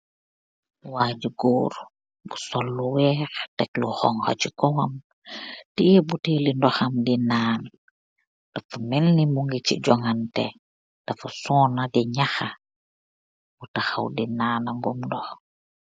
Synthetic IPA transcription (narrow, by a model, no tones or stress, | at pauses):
waːd͡ʒuɡoːɾ | busɔlːuwɛːxtɛkluxɔŋha̰t͡ʃikɔwam | tiɛbutelindɔxɐmdinaːn | d̥afumɛlːimuŋɡit͡ʃḭɟɔŋantɛ̰ | d̥afusɔːnadiɲaxa | b̥utaxa̰wdinaːnaŋɡumndɔx